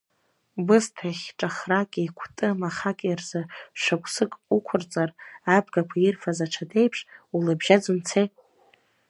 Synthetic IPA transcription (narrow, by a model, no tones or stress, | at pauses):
bɨstʰaχʲʈ͡ʂʼaχrakʼiikʷʰtʼɨmaχakʲʼrzɨʃʷᶣakʷʰʼsɨkʼukʷʰʊrt͡sʼarabɡakʷʰaɪrfazaʈ͡ʂʰade̞jpʰʂulabʒad͡zunt͡sʰej